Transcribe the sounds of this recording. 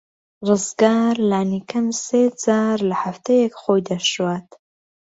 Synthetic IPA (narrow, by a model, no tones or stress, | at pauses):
rɨzɡaːɾlaːnikʰɐmsed͡zaːɾlɐħaft̪ejɛkχoːjd̪ɐʃwaːt̪